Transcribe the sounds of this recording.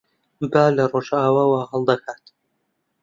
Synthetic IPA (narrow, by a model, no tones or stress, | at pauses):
baːlɐroʒaːwaːwaɦɐlˠd̪ɐkʰaːt̪